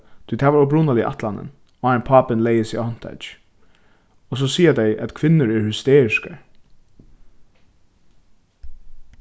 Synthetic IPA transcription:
t̪ʰyt̪ʰæːʋaɹʊbɾunalɪʔa̰t̪lanə̰n | oaɪnpʰɑːpɪnlejəsihɔn̥t̪ʰa̰d͡ʒ | ɔs̬ɔsiːad̪ɛjʔæt̪kʰʋɪnːəɹɛɹhʏst̪eːɹɪska̰ɹ

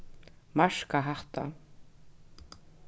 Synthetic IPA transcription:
maʂkaɦaht̪a

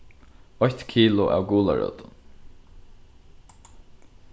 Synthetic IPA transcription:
ɔçt̪kʰiːlʊʔa̰ːwɡuːla̰ɹœ̰ːt̪n

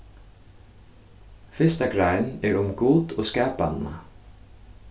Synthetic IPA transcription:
fɪst̪akɾajnɛɹʊmɡuːt̪ɔskɛːpanna̰

